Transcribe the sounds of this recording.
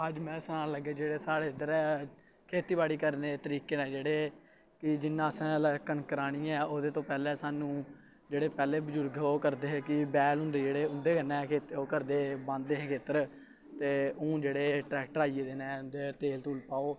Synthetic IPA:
əd͡ʒmɛ̃ːsənãːləɡeːd͡ʒeːɽeːsaːɽeːɪd̪əɾɛː | kʰeːt̪iːbaːɽiːkəɾneːt̪əɾiːkeːnɛ̃ːd͡ʒeːɽeː | kɪd͡ʒɪnːãːəsɛ̃ːləkənkəɾaːɽ̃iːɛ̃ːoːd̪eːt̪õːpɛːlɛ̃ːsaːnũː | d͡ʒeːɽeːpɛːleːbəd͡ʒʊɾɡoːkəɾd̪eːɦːkɪbɛːlɦʊ̃nd̪eːd͡ʒeːɽeːʊ̃nd̪eːkənɛ̃ːkʰeːt̪oːkəɾd̪eːbãːnd̪eːɦekʰeːt̪əɾ | t̪eːõːd͡ʒeːɽeːʈɾɛːkʈəɾaːiːeːd̪eːnɛːd̪et̪eːlt̪uːlpaːoː

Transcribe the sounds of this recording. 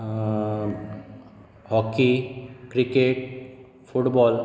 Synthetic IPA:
hɔkikɾikeʈ | fʰuʈbɔl

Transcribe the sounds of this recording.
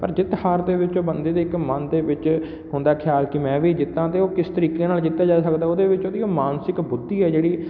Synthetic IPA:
pəɾd͡ʒɪt̪haːɾd̪eːʋɪt͡ʃoːbənd̪eːd̪eːɪkmənd̪eːʋɪt͡ʃ | hʊnd̪aːkʰɪjaːlkɪmɛ̃ːʋiːd͡ʒɪt̪ːãːt̪eːoːkɪst̪əɾiːkeːnaːld͡ʒɪt̪ːaːd͡ʒaːsəkd̪aːoːd̪eːʋɪt͡ʃoːd̪iːoːmaːnsɪkbʊd̪ːiːɛːd͡ʒeːɽiː

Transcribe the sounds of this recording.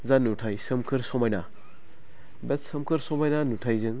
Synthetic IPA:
zanutʰajsɯmkʰɯɾsɔmajna | bet̚sɯmkʰɯɾsɔmajnanutʰajzɯŋ

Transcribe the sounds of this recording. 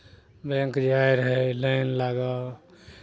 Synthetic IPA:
bẽŋkd͡ʒajɾɦɛlənlaːɡa

